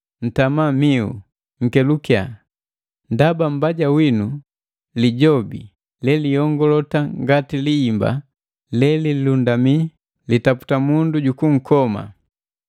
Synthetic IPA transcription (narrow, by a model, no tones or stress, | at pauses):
n̩tamamiṵ | ŋ̩kɛlukja̰ | ndabam̩baɟawinu | liɟɔbḭ | lɛlijɔŋɡɔlɔtaŋɡatiliːmba̰ | lɛlililundami | litapu̥tamunduɟukuŋ̩kɔma̰